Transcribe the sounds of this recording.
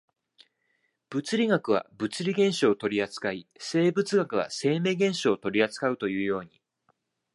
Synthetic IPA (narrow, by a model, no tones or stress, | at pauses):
b̥ɯ̟t͡sɨɾʲiɡakɯ̟β̞a̰bɯ̟t͡sɨɾʲiɡẽ̞ɰ̃ɕoːt̪o̞ɾʲiat͡sɨ̥kaise̞ːbɯ̟t͡sɨɡakɯ̟βa̰se̞ːme̞ːɡẽ̞ɰ̃ɕo̞ːt̪o̞ɾʲiat͡sɨ̥kaɯ̟t̪o̞jɯ̟ːjo̞ːɲ̟i